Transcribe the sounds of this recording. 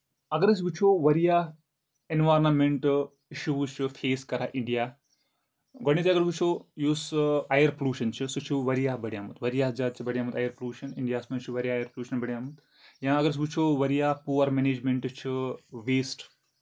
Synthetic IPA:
ɐɡɐɾɐs̬but͡ʃʰoʋɐɾijaː | enʋaːɾnɐmeɳʈ | iʃuʋut͡ʃʰɨfʰeːskɐɾaʔiɳɖijaː | ɡɔɽit̪ʲiɐɡɐɾʋut͡ʃʰoːjuːsɐjɐɾpoluːʃɐnt͡ʃʰɨsut͡ʃʰuʋɐɾijaːbɐɽijaːmɐt̪ʋɐɾijaːd͡ʒaːd̪̚t͡ʃʰibɐɽijaːmɐt̪ɐjɐɾpoluːʃɐnɪɳɖijaːsmɐnt͡ʃʰiʋɐɾijaːjɐɾpoluːʃɐnbɐɽjaːmut̪ | jãːɐɡɐɾɐs̬but͡ʃʰoːʋɐɾijaːpuːʋɐɾmeneːd͡ʒmeɳʈt͡ʃʰɨʋeːsʈ

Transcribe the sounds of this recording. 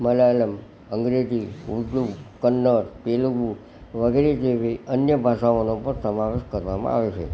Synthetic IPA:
məlaləm | əŋɡɾed͡ʒiuɖlukənːəɾpelubu | ʋəɡeɾed͡ʒeʋiənjəbʱaʃaonopəɾsəmaʋeʃkəɾʋamã̰a̰ʋet͡ʃʰḛ

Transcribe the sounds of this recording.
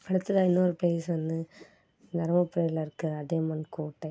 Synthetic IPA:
ɐɽɯt̪ːɯðɐɪnːoːɾɯpejɪsʋɐnd̪ɯ | nɐɾɐmɐpːɪɾɐjlɐɪɾɯkːɯɐðemɐnkoːʈːɐ

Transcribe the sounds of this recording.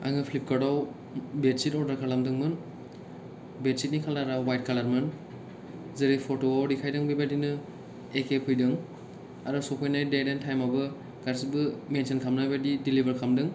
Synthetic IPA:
a̰ŋɯpʰlip̚kaɾaw | betsitɔɾdaɾkʰalamdɯŋmɯn | bet̚sit̚nikʰalaɾawwajt̚kʰalaɾmɯn | zɯɾipʰɔtoawɾikʰajdɯŋbibadinɯ | ekepʰɯjdɯŋ | a̰ɾɯsɔpʰojnajdajdentʰajmabɯ | ɡaɾsibɯmensʰenkʰamnabadidilibaɾkʰamdɯŋ

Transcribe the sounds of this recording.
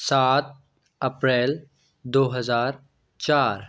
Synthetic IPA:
saːt̪̚ | əpɾɛːl | d̪oːɦɐzaːɾ | t͡ʃaːɾ

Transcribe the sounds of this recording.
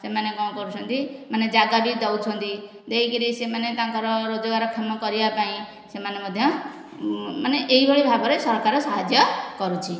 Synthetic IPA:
semanekɔ̃kɔɾut͡ʃʰɔnt̪imaned͡ʒaɡabid̪ɔwt͡ʃʰɔnt̪i | d̪eikiɾisemanet̪ãŋkɔɾɔɾod͡ʒɔɡaɾɔkʰɔmɔkɔɾibapaĩ | semanemɔd̪ʱjɔ | maneʔeɦibʱɔɭibʱabɔɾesɔɾkaɾɔsɔɦad͡ʒjɔkɔɾut͡ʃʰi

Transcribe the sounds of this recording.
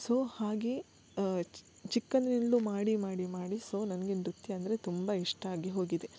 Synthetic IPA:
soːhaːɡe | t͡ʃikːɐnd̪ninlumaːɽimaːɽimaːɽisoːnɐnɐɡenɾut̪ːiɐnd̪ɐɾet̪umbɐiʂʈɐaːɡeɦo̞ːɡid̪e̞

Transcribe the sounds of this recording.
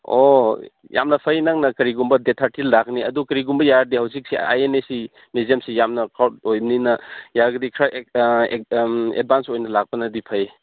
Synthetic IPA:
o | ja̰mnɐpʰɐjnaŋnɐkɐɾiɡumbɐdetʰaɾtilːak̚niɐdukɐɾiɡumbɐjaɾdihawzik̚sia̰jenesi | miziɐmsijamnɐkawt̚ojbninɐjaɾɡɐdikʰɾaʔ | ḛd̚bansojnɐlak̚pɐnɐdipʰɐje

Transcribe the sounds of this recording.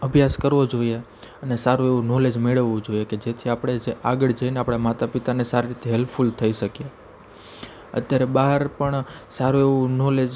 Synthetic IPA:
əbʱjaskəɾʋod͡ʒoie | ənesaɾueʋũnoled͡ʒmeɭəʋːũd͡ʒojeked͡ʒet̪ʰiapɽ̃ed͡ʒeʔaɡəɭd͡ʒəineapɽ̃amat̪apit̪anesaɾiɾit̪eɦelpʰfult̪ʰəiʃəkje | ə̰t̪jaɾebaɦəɾpəɳsaɾueʋ̃ũnoled͡ʒ

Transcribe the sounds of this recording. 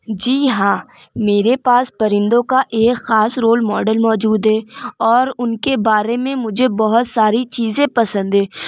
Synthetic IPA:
d͡ʒiːɦãː | meːɾepaːspɐɾɪ̃nd̪õkaʔeːkxaːsɾoːlmɔːɖəlmɔːd͡ʒuːd̪ɦɛːɔːɾʊnkebaːɾemẽmʊd͡ʒʱebɔɦʊt̪saːɾit͡ʃiːzẽpɐsə̃nd̪ɦɛː

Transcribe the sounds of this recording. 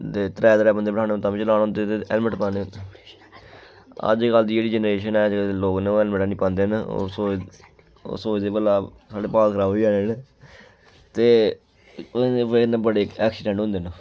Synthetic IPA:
t̪eːt̪əɾɛːd̪ɾɛːbənd̪eːbəʈʰaːnːot̪ãːʋĩt͡ʃəlaːnɦʊ̃nd̪eːt̪eːɛlməʈpãːne | ə̰d͡ʒkəld̪iːd͡ʒeːɽiːd͡ʒɛnɾeːʃənɛːd͡ʒloːkneːoːɛːlməʈːnĩːpãːnd̪eːno̰ːso̰ː | soːd͡ʒd̪eːbəlaː | saːɽeːpaːlkəɾaːʋaːneɦn | t̪eː | enebəɽeːɛːksɪɖɛ̃ɳʈɦõnd̪eːn

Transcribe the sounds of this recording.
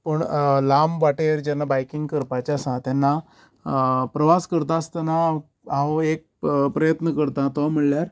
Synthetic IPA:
pəɳlamʋaʈeɾd͡ʑanːabajkiŋɡkəɾpat͡ɕasãt̪janːa | pɾəʋaskəɾt̪aːst̪ana | ãoek̚pɾəjət̪nəkəɾt̪ãt̪am̤əɽljaɾ

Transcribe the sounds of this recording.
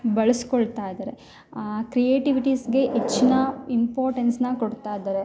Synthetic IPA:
bɐɭɐskoɭt̪aːjd̪ɐːɾe̞ | kɾijeːʈiʋiʈisɡe̞ʔet͡ʃːinɐimpoːɾʈensnɐkoɽt̪aːjd̪ɐɾe

